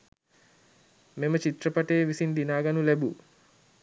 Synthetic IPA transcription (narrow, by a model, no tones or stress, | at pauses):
memət͡ʃit̪rɐpaʈeːʋisind̪inaːɡanulɛbu